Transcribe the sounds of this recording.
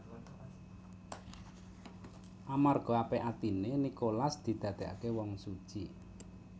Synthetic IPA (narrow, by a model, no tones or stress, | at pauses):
ʔamarɡ̥ɔ̤apeʔat̪inenikolasd̪̥i̤d̪̥a̤d̪̥e̤ʔa̰kewɔŋsud̥ʒ̥i